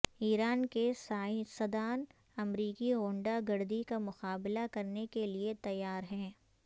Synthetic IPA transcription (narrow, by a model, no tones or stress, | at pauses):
iːɾaːnkesasɐd̪aːn | ɐmɾiːkiõːɳɖaɡɐɾd̪ikamʊqaːbɪlakɐɾnekeliet̪ɐjːaːɾɦɛ̃ː